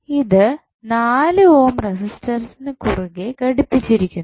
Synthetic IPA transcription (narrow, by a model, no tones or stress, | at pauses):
iðɨ | naːlɨo̞ːmresisʈɐrsinɨkuruɣekɐɽipːit͡ɕːiɾikʲːun